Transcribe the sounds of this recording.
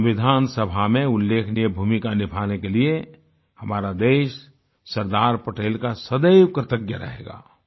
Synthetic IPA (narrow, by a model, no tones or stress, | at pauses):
ʋɪd̪ʱaːnsəbʱamẽʊlːeːkʰniebʱuːmikanɪbʰʱaːnekelie | hɐmaːɾad̪eːʃ | səɾd̪aːɾpəʈeːlkasəd̪əjwkɾət̪əɡjəɾə̰ɦḛːɡa̰ː